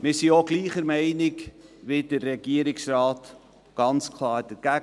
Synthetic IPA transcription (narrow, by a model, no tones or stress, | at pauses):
mɪɾsioɡliːχəɾmɛɪnɪkʋɪd̥ərːɛɡ̥iəɾɪksrɑːt | ɡ̥ɑnt͡skʰlɑːɾd̥əɾɡ̥æ